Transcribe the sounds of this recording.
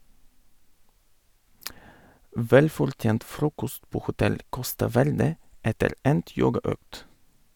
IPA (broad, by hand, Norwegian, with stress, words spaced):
ˈʋɛlfɔɾˌtjeːnt ˈfɾuːkɔst ˈpoː hʊˈtɛl ˈkɔstɑ ˈʋæɾdə ˈɛtəɾ ˈɛnt ˈjoːɡɑˌœkt